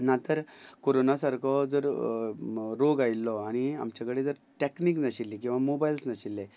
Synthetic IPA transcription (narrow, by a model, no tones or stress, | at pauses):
nat̪əɾkoɾonasaɾkʰɔd͡zəɾ | ɾoɡajlːɔaɽ̃ia̰mt͡ɕakəɽed͡zəɾ | ʈekniknəɕilːikĩw̃ʋamobajilsnəɕilːe